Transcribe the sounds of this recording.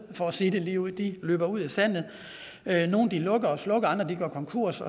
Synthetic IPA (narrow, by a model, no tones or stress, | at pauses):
fɒsidəliʊ̰d̥iløːb̥ɐuð̞̰ˠæsæn̰ð̩ˠ | øno̝ːn̩d̥ilɔ̽ɡ̥ɐɒslɔ̽ɡ̥ɐɑ̈nd̥ʁɐd̥iɡ̥ɶɐkʰɒ̽ŋkʰuɐ̰sɒ